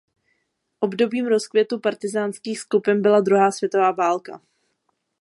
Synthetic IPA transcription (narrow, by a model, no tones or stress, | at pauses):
ʔo̞bdo̞biːmɾo̞skvjɛt̪upaɾt̪ɪzaːnskiːxskupɪnbɪlad̪ɾuɦaːsvjɛt̪o̞vaːvaːlka̰